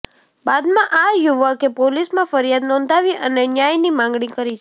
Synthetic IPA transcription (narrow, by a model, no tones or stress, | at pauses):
bad̪mãʔajʊʋəkepolismãfəɾijad̪nɔ̃nd̪ʱaʋiʔənenjajnimãŋɡɽ̃ĩkəɾit͡ʃʰ